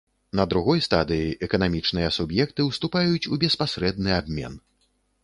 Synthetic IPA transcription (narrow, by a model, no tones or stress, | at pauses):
nɐd̪ɾuɣɔjst̪ad̪ɨjiʔɛkɐnamʲit͡ʂnɨjɐsubjɛkt̪ɨwst̪upajut͡sʲubʲɛspasɾɛd̪̚nɨabʲmʲɛ̰n